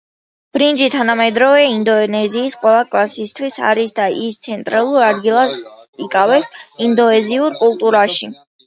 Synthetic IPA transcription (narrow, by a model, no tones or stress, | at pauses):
b̥ɾind͡ʒit̪ʰanamɛd̪ɾɔvɛind̪ɔnɛziːsqʼwɛlˠakʼlˠasist̪ʰwisa̰ɾisd̪aʔist̪sʰɛnt̪ʼɾalˠuɾad̪ɡilˠasikʼavɛsind̪ɔɛziuɾkʼulˠt̪ʼuɾaʃi